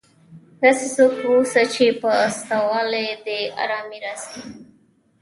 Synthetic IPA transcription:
d̪asisokwusat͡ʃepəːst̪awɑled̪ea̰ɾɑmiɾasi

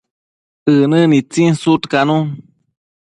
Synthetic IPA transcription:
ɨnɨ̃nit͡sinsut̪kanũ

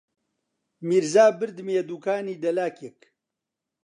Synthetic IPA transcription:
miɾzaːbɨɾd̪meːd̪uːkaːniːd̪ɐlaːkek

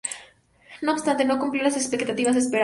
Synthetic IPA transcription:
no̞oːst̪ant̪e̞no̞kumpljolase̞kspekt̪at̪iβas̬espeɾ

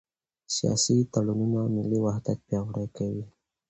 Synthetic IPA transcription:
sijɑ̰sit̪alununamɪliwahd̪at̪̚pjɑɣɽajkawi

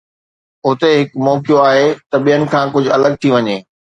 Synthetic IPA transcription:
ʊt̪eɦɪkmɔːkijoaːɦet̪ɐɓijənɪ̆kʰãːkʊd͡ʑʱɐləɡ̚t̪ʰiʋɐɲeː

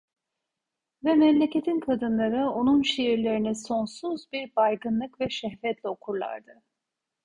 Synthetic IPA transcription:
vɛmɛmlʲecʰe̞t̪ʰinkʰad̪ɯnlˠaɾɯo̞nunʃejiɾlʲeɾinɛso̞nsuzbiɾbajɡɯnlˠɯkvɛʃɛhvɛt̪lʲɛo̞kʰuɾlˠa̰ɾd̪ɯ

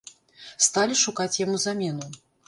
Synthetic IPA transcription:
st̪alʲiʂukat͡sʲjamuzamʲɛnu

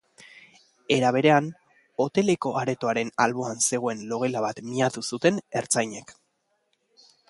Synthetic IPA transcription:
e̞ɾaβ̞e̞ɾe̞an | o̞t̪e̞le̞ko̞ʔaɾe̞t̪o̞aɾe̞nalβo̞anse̞ɣ̞o̞e̞nlo̞ɣelaβat̪miat̪usut̪e̞ne̞ɾt͡sajɲe̞k

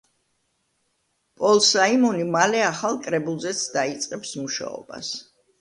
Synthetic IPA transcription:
pʼɔlˠsaimɔnimalɛaχalˠkʼɾɛbulˠzɛt̪sʰd̪ait̪sʼqʼɛpsmuʃa̰ɔ̰ba̰s

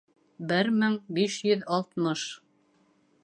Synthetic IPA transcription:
bɘɾmɘŋbiʃjɵðɑlˠt̪mɤʃ

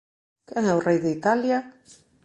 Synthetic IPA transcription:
kɛŋɛwrejðeit̪alja

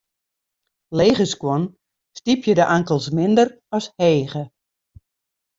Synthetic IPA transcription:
leːɣəskwɔn | stipʰjədəʔaŋkəlˠsmɪndər | ɔsheːɣə

